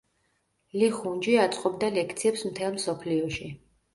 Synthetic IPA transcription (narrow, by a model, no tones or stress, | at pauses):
liχund͡ʒiat̪sʼqʼɔbd̪alɛkʰt̪sʰiɛpsmt̪ʰɛlˠmsɔpʰliɔʃi